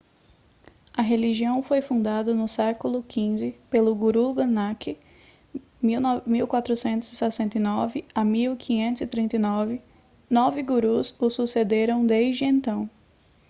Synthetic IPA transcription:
ɐɦeliʒiɐ̃w̃fojfũnd̪ad̪ɐnʊsɛkʊlʊkʰĩzɪpelʊɡuɾuɡɐnakɪ | miw̪miwkwat̪ɾʊsẽnt̪ʊz̥ɪsɛsẽnt̪ɐjnɔvɪamiwkʰĩɲẽnt̪ʊzɪt̪ɾĩnt̪ɐjnɔvɪ | nɔvɪɡuɾuzʊsused̪eɾɐ̃w̃d̪eʒd͡ʒɪẽnt̪ɐ̃w̃

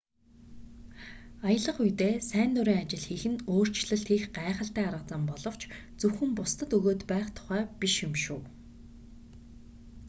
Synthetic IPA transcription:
ajə̆ɮə̆χujt̪eːsæːnt̪ʊɾiːŋat͡ɕɪ̆ɮxiːxɘ̆noːr̥t͡ɕɮə̆ɬt̪xiːxɢaːχə̆ɬt̪æːaɾʁə̆t͡sə̆mpɔɮɞ̆w̥t͡ɕt͡sɵwxɘ̆mpʊst̪ə̆t̪ɵɣoːt̪pæːχt̪ʰʊ̥χæːpiʃjɪmʃuː

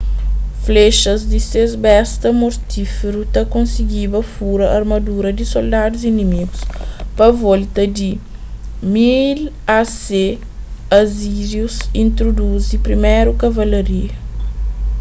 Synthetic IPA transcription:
fleʃɐzd̪isezbɛst̪ɐmoɾt̪ifeɾut̪ɐkõnsiɡibɐfuɾɐʔɐɾmɐd̪uɾɐd̪isold̪ad̪uzinimiɡuspɐvɔlt̪ɐd̪i | mil | ase | ɐziʒjusĩnt̪ɾod̪uzipɾimɛɾukɐvɐlɐɾiɐ

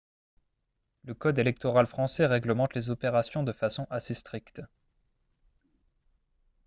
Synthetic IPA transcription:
ləkɔd̪elɛk̚t̪ɔʁalfχɑ̃sɛʁɛɡləmɑ̃t̪lezɔpeʁasjɔ̃d̪əfasɔ̃ʔasest̪χikt̪

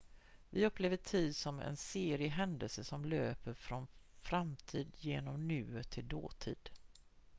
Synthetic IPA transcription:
vɪɵpːleːvəʈʰiːd̪sɔmɛ̰nseːɾɪəɦɛnd̪əlsəsɔmløːpəɾfɾɔnfɾamt̪ʰiːd̪jeːnɔmnʉ̟ːət̪ʰɪld̪o̰ːt̪ʰḭːd̪

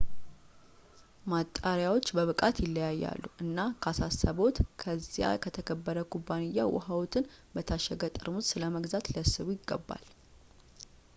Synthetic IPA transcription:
mat̪ʼːaɾjawo̞t͡ʃːbəβɨkʼat̪jɪlːəjajːa̰lːuʔɨnːakʰasasːəβo̞t̪kʰəzːija̰kʰət̪ʰəkʰəbːəɾəkʰubːanɨjːawɔ̰hawt̪ʰɨnbət̪ʰaʃːɛɡət̪ʼɨɾmut̪sɨləməɡzat̪ləsɨβujɪɡːəbːa̰l

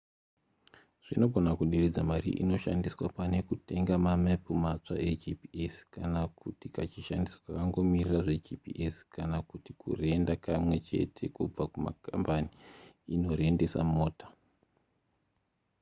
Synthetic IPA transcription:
ʐ̥ino̞ɡʱo̞nakuɗired͡zamaɾḭʔḭno̞ʃa̰ndiswa̰pane̞kute̞ŋɡamamepumat͡swa̰ʔed͡ʒipieskanakutikat͡ʃiʃandiswḁakaŋɡo̞miriraʐe̞d͡ʒipḭʔeskanakutikʰṵre̞ndakamwe̞t͡ʃe̞̰tʰe̞kub͡vakuma̰ka̰mbaniːno̞ɾe̞nde̞sa̰moːtḁ

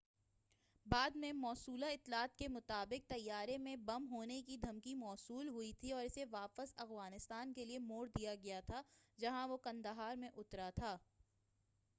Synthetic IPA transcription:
baːd̪mẽmɔːsuːlaɪt̪ːlaːt̪̚kemʊt̪aːbɪk̚t̪ɐjːaːɾemẽbɐmɦoːnekid̪ʱɐmkimɔːsuːlɦʊit̪ʰiɔːɾɪseʋaːpəzɐxɣaːnɪst̪aːnkeliemoːɽd̪ijaɡɐjat̪ʰad͡ʒɐɦãʋokɐ̃nd̪əɦaːɾmẽʔʊt̪ɾat̪ʰaː

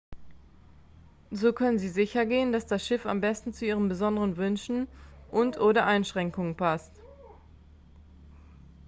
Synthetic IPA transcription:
zoːkʰœnənziːzɪçɐɡeːəndasd̥asʃɪfa̰mbɛstn̩t͡suʔiːʁəmbəzɔndəʁənvʏnʃn̩ʔʊntʰʔoːɾɐʔaɪnʃʁ̥ɛŋkʊŋənpʰast

